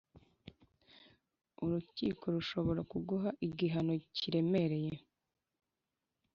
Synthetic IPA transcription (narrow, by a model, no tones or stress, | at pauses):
uɾucḭːkʰo̞ɾuʃo̞βo̞ɾakuɡuɦaʔiɡiɦano̞ciɾe̞me̞ɾe̞je̞